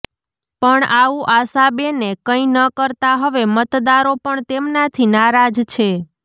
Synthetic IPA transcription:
pəɳaʋũʔasabenekəĩnəkəɾt̪aɦəʋemət̪d̪aɾopəɳt̪emnat̪ʰinaɾad͡ʒt͡ʃʰe

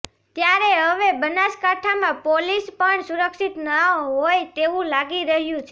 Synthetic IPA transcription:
t̪jaɾeɦəʋebənaskaʈʰamãpolispəɳsuɾəkʃit̪nəɦojt̪eʋũlaɡiɾəɦjũt͡ʃʰe

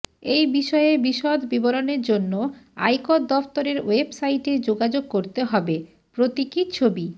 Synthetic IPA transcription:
ejbiʃɔeebiʃɔd̪ʱbiboɾoneɾd͡ʑonːoa̰jkod̪d̪ɔft̪oɾeɾwebsajʈed͡ʑoɡad͡ʑoɡ̚koɾt̪eɦɔbe | pɾot̪ikit͡ɕʰobi

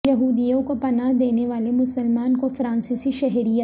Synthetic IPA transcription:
jɐɦuːd̪ijõkopɐnaɦd̪eːneʋaːlemʊsəlmaːnkofɾãːnsiːsiʃɛɦɾijə

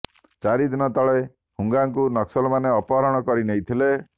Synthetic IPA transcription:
t͡ʃaɾid̪inɔt̪ɔɭe | huŋɡaŋkunɔksɔlɔmaneɔpɔɦaɾɔɽ̃ɔkɔɾinejt̪ʰile

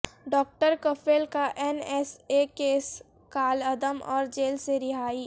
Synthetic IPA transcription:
ɖɔːk̚ʈəɾkəfʰeːlkaʔɛnɛsekeːs | kaːlɐd̪əmɔ̰ːɾd͡ʒeːlseɾɪɦaːiː

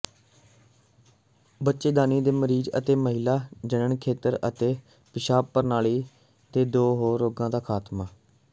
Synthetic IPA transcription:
bətːʃeːɡ̪aːniːd̪eːməɾiːd͡ʒə̰t̪eːməɦɪlaːd͡ʒənəɳkʰeːt̪əɾə̰t̪eː | pɪʃaːpːəɾnaːɭiː | t̪eːd̪oːɦoːɾoːɡãːd̪aːkʰaːt̪maː

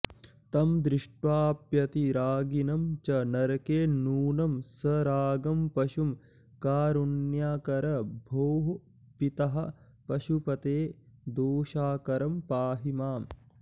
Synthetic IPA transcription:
t̪ɐmd̪ɾiʂʈʋaːpjɐt̪iɾaːɡinɐmt͡ʃɐnɐɾɐkeːnuːnɐmsɐɾaːɡɐmpɐʃum | kaːɾunjaːkɐɾɐbʱoːɦ | pit̪ɐɦɐ̆ | pɐʃupɐt̪eːd̪oːʃaːkɐɾɐmpaːɦimaːm

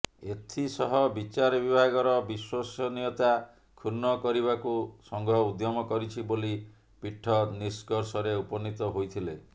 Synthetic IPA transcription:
et̪ʰisɔɦɔbit͡ʃaɾɔbibʱaɡɔɾɔbiswɔsɔniɔt̪a | kʰunːɔkɔɾibakusɔŋɡʱɔud̪jɔmɔkɔɾit͡ʃʰiboli | piʈʰːɔniskɔɾsɔɾeupɔnit̪ɔɦojt̪ʰile

